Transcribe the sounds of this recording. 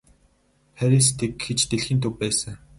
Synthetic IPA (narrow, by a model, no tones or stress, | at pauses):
xæɾis̬t̪ʰekxet͡ɕt̪eɮxiːnt̪ʰɵwpæːsə̆ŋ